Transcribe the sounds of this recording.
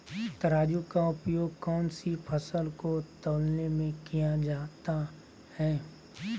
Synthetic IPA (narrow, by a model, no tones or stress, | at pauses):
t̪əɾaːd͡ʒukaʊpjoːɡ̚kɔːnsipʰəsəlkot̪oːlnemẽkijad͡ʒaːt̪a | hɛː